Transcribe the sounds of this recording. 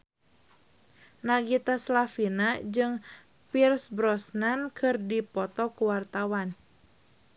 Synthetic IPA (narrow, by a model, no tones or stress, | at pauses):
naɡit̪aslafinad͡ʒɨŋ | pirsbɾɔsnankʰɨrdipɔt̪ɔkuwart̪awan